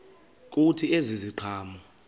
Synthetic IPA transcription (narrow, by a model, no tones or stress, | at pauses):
k̬ʼutʰieziziǃʰaːmɔ